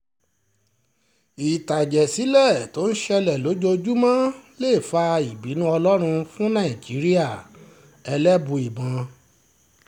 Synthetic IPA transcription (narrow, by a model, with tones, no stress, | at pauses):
i˨ta˨d͡ʒɛ˨si˨˦lɛ˦˨to˨˦n̩˦ʃɛ˧lɛ˨lo˨˦d͡ʒo˧d͡ʒu˦mã˦le˦˨fa˧i˨bi˨˦nũ˦ɔ˧lɔ˦ɾ̃ũ˧fũ˦nã˦˨i˨d͡ʒi˨˦ɾi˦a˦˨ | ɛ˧lɛ˦bũ˧i˨bã˨˧